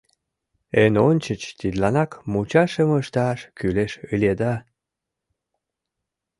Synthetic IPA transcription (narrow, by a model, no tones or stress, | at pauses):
enonʲt͡ɕət͡ɕt̪id̪lɑnɑkmut͡ɕɑʃəməʃt̪ɑʃkyleʃɯlʲed̪ɑ